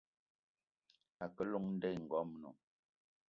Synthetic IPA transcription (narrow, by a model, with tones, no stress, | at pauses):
a˨kə˦lu˦˨ŋn̩˦dɛ˦˨ŋ̩˨ɡɔ˨˦m˦no̰˨